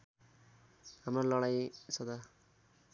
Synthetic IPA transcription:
hamralʌɽajsʌd̪a

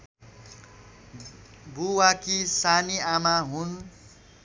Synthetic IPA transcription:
buwakisaniamaɦun

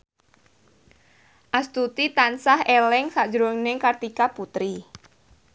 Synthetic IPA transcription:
ʔast̪ut̪it̪ansahelɛŋsḁd͡ʒɾʊŋnɪŋkart̪ikaput̪ɾi

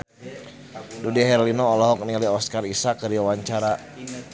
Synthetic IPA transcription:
dudiɦɛɾlinɔːlɔɦɔk̚niliɔskarisakəɾiwawaɲt͡ʃaɾa

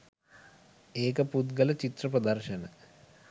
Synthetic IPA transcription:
eːkəput̪ɡələt͡ʃit̪rɐprəd̪ɐrʃɐnə

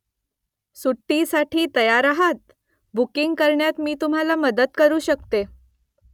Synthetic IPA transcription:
suʈːisaʈʰiːt̪əjaɾaɦat̪̚ | bukiŋɡkəɾɳjat̪miːt̪um̤alaməd̪əd̪kəɾuːɕək̚t̪e

